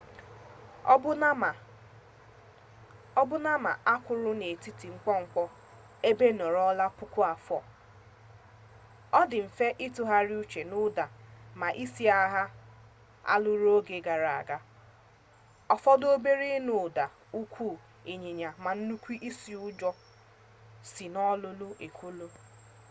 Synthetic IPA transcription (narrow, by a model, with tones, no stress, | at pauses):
ɔ˦bʊ˦na˦ma̰˨ʔa˦kʷʊ˨ɾʊ˦ne˨ti˦ti˨ŋ͡m̩˦k͡pɔ˦ŋ͡m̩˨k͡pɔ˦ | e˦be˦nɔ˨ɾɔ˦la˦pʊ˦kʊ˦a˨fɔ˨ | ɔ˦dɪ˨m̩˨fe˦ʔi˦tʊ˦ɦa˦ɾi˦u˦t͡ʃe˨nʊ˦da˨ma˨ʔi˦si˦a˦ɦa˦ | a̰˦lʊ˦ɾo˦ɡe˨ɡa˨ɾa˨a̰˨ɡa˦ | ɔ˦fɔ˦do˦be˦ɾe˦nʊ˨da˨ | u˦kʷuː˦˨ | e˨ɲe˨ɲa˨ma˨n̩˦nu˦kʷi˦ʔi˦si˨ʊ˦d͡ʒɔ˦ | si˨nɔ˦lʊ˦lʊ˦ʔe˨kʰʷu˦lʊ˦